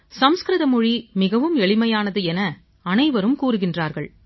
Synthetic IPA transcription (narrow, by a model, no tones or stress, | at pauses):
sɐmskɾɪðɐmʊɻimɪɣɐʋɯmɛɭɪmɐjaːnɐðɯɛnɐ | ɐnɐɪʋɐɾɯmkuːɾɯɣɪndraːɾɣɐɭ